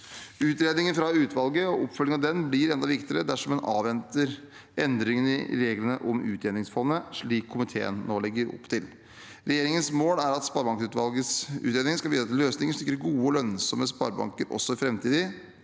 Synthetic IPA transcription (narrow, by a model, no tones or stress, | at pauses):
ʉːt̪ɾeːd̪nɪŋənfɾɑʉːt̪ʰʋɑlɡəɔʔɔpfœlɪənɑd̪ɛnblɪɾɛnd̪ɑʋɪkt̪əɾəd̪æʂɔmːɛnɑ̰ːʋɛnt̪əɾ | ʔɛnd̪ɾɪŋənɪ̰ɾeːɡlənəʔɔmʉ̰ːt̪ɾeːnɪŋsfɔnːəʂɭiːkʰːʊmɪt̪ʰḛːə̰nnoːlɛɡːəɾɔ̰pːt̪ʰɪl | ɾɛjeːɾɪŋənsmoːlæɾɑt̪spɑɾbɑŋksʉt̪ʋɑlɡəsʉ̰ːt̪ɾeːd̪ɪŋnskɑlʋiːsɑt̪ːløːsnɪŋəʂt̪ʏkːɾəɾɡuːəɔlœnsɔməspɑ̰ɾbɑ̰ŋkəɾʔɔ̰sːɔɪfɾɛmt̪ʰiːd̪ɪ